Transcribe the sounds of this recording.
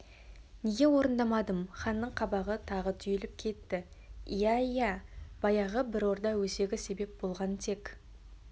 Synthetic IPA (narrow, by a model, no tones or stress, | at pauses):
neɡʲe̞wo̞ɾənd̪ɑmɑd̪əmχɑnːəɴqʰɑbɑʁət̪ʰɑʁət̪ʰʏjɪlɪp̚kʲʰe̞t̪ːɪ | ijæijæb̥ɑjɑʁəbɪɾo̞ɾd̪ɑwɵse̞ɡʲɪse̞be̞p̚bo̞lˠʁɑnt̪ʰe̞kʲ